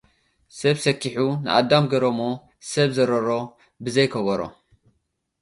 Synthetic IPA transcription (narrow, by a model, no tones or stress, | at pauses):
sɐβsɐkʰːiħunɨʔad̪ːamɡɐɾɐmo | sɐβzɐɾɐɾo̞ | bɨzɐjkʰɐβɐɾo̰